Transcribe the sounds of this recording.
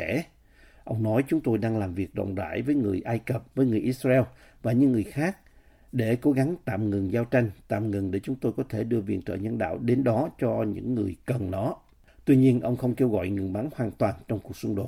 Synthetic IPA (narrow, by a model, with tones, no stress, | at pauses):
ɛ˧˩ | ʔə˧wŋ͡mnɔ˨˦jt͡ɕʊ˨˦ŋ͡mt̪o˧jɗaː˧ŋlaː˨˩mvi˨˩ək̚ɗə̰˧˨wŋ͡mza̰ː˧˩˨jvəː˨˦jŋɨ˨˩əjʔaː˧jkə˨˩p̚vəː˨˦jŋɨ˨˩əjʔi˦˥t̚za˧ʔɛ˧w | vaː˨˩ɲɨ̰˧˥ŋːɨ˨˩əjxaː˦˥k̚ | ɗe˧˩ko˨˦ɣa˨˦ŋt̪a̰ː˧˨mŋɨ˨˩ŋzaː˧wt͡ɕa˧jŋ̟t̪a̰ː˧˨mŋɨ˨˩ŋɗe˧˩t͡ɕʊ˨˦ŋ͡mt̪o˧jkɔ˨˦t̪ʰe˧˩ɗɨ˧əvḭ˧˨ənt̪wɔ̰ː˧˨˩ɲə˧nɗa̰ː˧˨wɗe˨˦nɗɔ˨˦t͡ɕɔ˧ɲɨ̰˧˥ŋːɨ˨˩əjkə˨˩nnɔ˨˦ | t̪wi˧ɲi˧ənʔə˧wŋ͡mxə˧wŋ͡mke˧wɣɔ̰˧˨jŋɨ˨˩əŋɓa˨˦ŋhwaː˨˩nt̪waː˨˩nt͡ɕɔ˧wŋ͡mku˨˩ək̚sʊ˧ŋ͡mɗo˨˩t̚